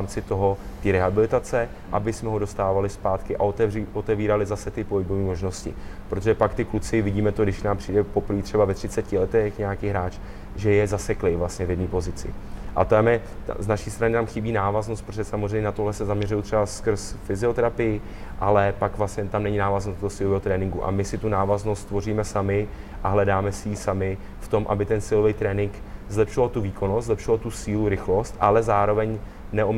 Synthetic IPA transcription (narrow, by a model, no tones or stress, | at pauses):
mt͡sɪt̪o̞ɦo̞t̪iːɾɛɦabɪlɪt̪at͡sɛ | ʔa̰bɪsmɛɦo̞do̞st̪aːvalɪspaːt̪kɪʔa̰ot̪ɛiʔot̪ɛviːɾalɪzasɛt̪ɪpoɦɪboviːmo̞ʒno̞scɪ̰pɾot̪oʒɛpakt̪ɪklut͡sɪvɪɟiːmɛt̪oɡdɪʃnaːmpr̝̥ijdɛpo̞pɾ̩viːt̪rɛbavɛt̪rɪt͡sɛcɪlɛt̪ɛxɲɛakiːɦɾaːt͡ʃ | ʒɛjɛzasɛklɪvlast̪ɲɛvjɛdniːpo̞zɪt͡sɪ̰ʔa̰t̪amɛ̰znaʃiːst̪ɾanɪt̪amxɪbiːnaːvaznost̪pɾot̪ʒɛsamozrɛjmɲɛnat̪oɦlɛsɛzamɲɛrujut̪r̥ɛbaskr̩sfɪzɪo̞t̪ɛɾapɪjɪ | ʔalɛpakvlastɲɛt̪amnɛɲɪnaːvaznost̪oosɪːlovɛːɦot̪ɾɛːnɪŋɡuʔa̰mɪsɪt̪unaːvazno̞st̪ːvo̞riːmɛsamɪʔaɦlɛdaːmɛsɪjiːsamɪ | ft̪o̞mʔa̰bɪt̪ɛnsɪlovejt̪ɾɛːnɪŋkzlɛpʃɪvalt̪uviːkʰo̞nost̪zlɛpʃɪvalt̪usiːluɾɪxlo̞st̪ʔalɛzaːɾo̞vɛɲ | nɛʔom